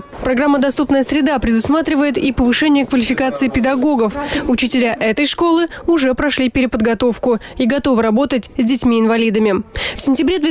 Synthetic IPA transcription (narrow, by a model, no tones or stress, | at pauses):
pɾɐɡɾamːəd̪ɐst̪upnəjəsɾʲɪd̪apɾʲɪd̪ʊsmat̪ɾʲɪvəjɪt̪ipəvɨʂɛnʲɪjəkvəlʲɪfʲɪkat̪sɨːpʲɪd̪ɐɡo̞ɡəfʊt͡ɕɪtʲɪlʲaʔɛt̪əjʂko̞lˠɨʊʐɛpɾɐʂlʲipʲɪɾʲɪpəd̪ɡɐt̪o̞fkʊiɡɐt̪o̞vɨɾɐbo̞t̪ət̚ʲzʲdʲɪtʲmʲiɪnvɐlʲid̪əmʲɪfsʲɪnʲtʲɪbɾʲed̪vʲe